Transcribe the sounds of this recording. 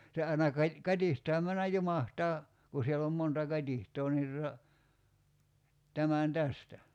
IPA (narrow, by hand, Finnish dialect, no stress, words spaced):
se ɑinɑ kɑĭ kɑtʲihtɑːm mænːæj jumɑhtɑː ku sielː om montɑ kɑtʲihtˑoː ni tutɑ tæmæn tæstæ